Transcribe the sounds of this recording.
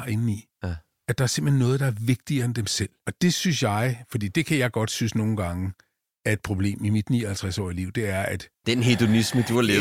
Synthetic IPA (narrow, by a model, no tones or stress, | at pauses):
e̝nn̩i | ædd̥ɑ̈æɐse̝mb̥l̥̩henːɔ̽ːð̞̩ˠd̥ɑ̈æɐʋe̝ɡ̥̚d̥iɐend̥emsel̰ɒ̽d̥e̝synsjɑ̈ɪfɒ̽d̥ḭːd̥e̝kʰæjɑ̈ɪɡ̥ɒ̽d̥synsno̝ːn̩ɡ̥ɑ̈ŋə | æɐe̝d̥̚pʰʁo̝b̥le̝̰ːmimid̥niːɐhælt͡sʰʁɛsɒ̰ːiəliʊ̰d̥e̝æɐʔæd̥d̥enɦed̥o̝nisməd̥uɑle